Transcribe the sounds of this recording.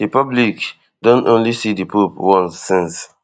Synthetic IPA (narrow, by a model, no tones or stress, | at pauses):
dipɔblik | dɔ̃nõnlisidipupwɔ̃nsɛ̃ns